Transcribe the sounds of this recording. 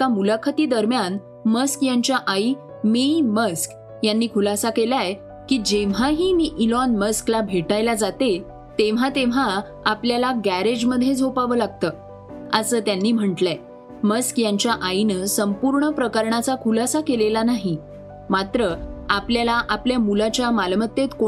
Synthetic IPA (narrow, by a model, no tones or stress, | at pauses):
kamulakʰət̪iːd̪əɾmjan | məskjaɲt͡ɕjaʔai | miməsk | janːiːkʰulasakelae | kiːd͡ʑeʋ̤aɦiːmiːʔilɔnməsklabʱeʈajlad͡zat̪e | t̪eʋ̤at̪eʋ̤a | apljalaɡæɾed͡ʑməd̪ʱjed͡zʱopaʋəːlaɡ̚t̪əː | əsəːt̪janːiːm̤əɳʈle | məskjaɲt͡ɕjaʔainəsəmpuɾɳəpɾəkəɾɳat͡sakʰulasakelelanaɦi | mat̪ɾəapljalaʔapljamulat͡ɕjamalmət̪ːet̪ko